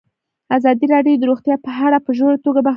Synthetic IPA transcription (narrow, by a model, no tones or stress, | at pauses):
azɑd̪iɾɑɖjod̪əɾoɣt̪jɑpəɦaɽapəʒoɽat̪oɡaba